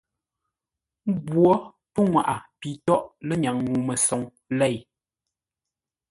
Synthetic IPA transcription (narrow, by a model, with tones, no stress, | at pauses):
bwɔ˦ | pə˦ŋwa˨ʔa˨pi˨tɔ˦˨ʔlə˦ɲa˨ŋŋu˨mə˨sɔ˨˦ŋ | lɛ˦˨j